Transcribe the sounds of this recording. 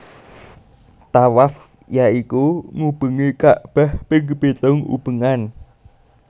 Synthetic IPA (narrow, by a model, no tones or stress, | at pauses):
t̪awaf | jaikuŋub̥əŋekaʔb̥a̤hpɪŋɡəb̥et̪ɔŋṵb̥əŋan